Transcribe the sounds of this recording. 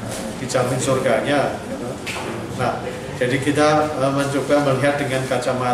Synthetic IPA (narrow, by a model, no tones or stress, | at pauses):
pit͡ʃamɪnsorɡaɲaɡit̪o | nah | d͡ʒadikit̪aəməɲt͡ʃobaməliɦat̪̚dəŋankat͡ʃama